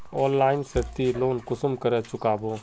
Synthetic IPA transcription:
ɔːnlaːɪnsət̪iloːnkʊsʊmkəɾət͡ʃʊkaːboː

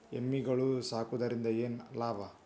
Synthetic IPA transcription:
emːiɡɐɭusaːkud̪ɐɾind̪ɐjeːnlaːʋa

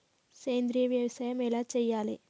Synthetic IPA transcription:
keːnd̪ɾɪjɐʋjɐʋɐsaːjɐmɛlaːt͡ʃɛjːaːlḛː

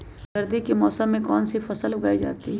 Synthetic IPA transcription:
ɡɐɾd̪ikemɔːsəmːẽkɔːnsifɐsəlʊɡaːid͡ʒa̰ːt̪iɦɛ

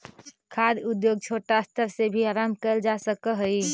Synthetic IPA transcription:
kʰad̪ud̪joːɡ̚t͡ʃʰoːʈast̪ʰəɾsebʱiaːɾamkəld͡ʒasəkəɦəi

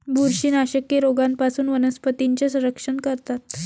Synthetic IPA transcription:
bʱuɾɕiːnaɕəkjeɾoɡanpasuːnʋənəspət̪iɲt͡ɕesə̃ɾəkʂənkəɾt̪at̪

